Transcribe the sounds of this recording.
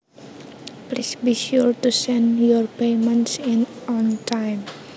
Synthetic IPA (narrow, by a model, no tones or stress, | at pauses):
plisbiʃuɹtusɛ̃ndjɔɹpemɛ̃ntsĩnɔ̃ntʰãjm